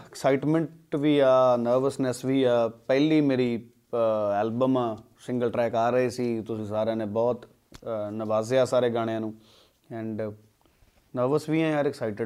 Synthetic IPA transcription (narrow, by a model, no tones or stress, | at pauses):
ɪksaːɪʈmə̃ɳʈʋiːaːnəɾʋəsnəsʋiːaːpɛːliːmeːɾiː | ɛːlbəmãː | sɪ̃ŋɡəlʈɾɛːkaːɾəeːsiːt̪ʊsĩːsaːɾãːnẽːbɔːt̪ | nəʋaːzjaːsaːɾeːɡaːɽ̃ejãːnũː | ɛ̃ːɳɖ | nəɾʋəsʋiːãːjaːɾɪksaːɪʈə